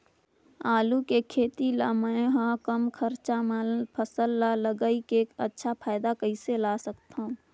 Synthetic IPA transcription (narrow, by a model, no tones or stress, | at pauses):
aːlukekʰeːt̪ilaməɦãkəmkʰəɾt͡ʃamalpʰəsəlːaːləɡəikeːkə̰tːʃʰapʰaːɪd̪akəɪselaːsəkt̪aũː